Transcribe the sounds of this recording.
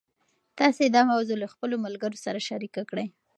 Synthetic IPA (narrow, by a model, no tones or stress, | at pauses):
t̪ɑsed̪ɑmawzolaxpəlomalɡəɾosaɾaʃaɾikakɽəj